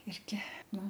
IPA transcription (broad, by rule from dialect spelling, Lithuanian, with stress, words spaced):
ˈɪrʲɡʲɪ ˈnʊ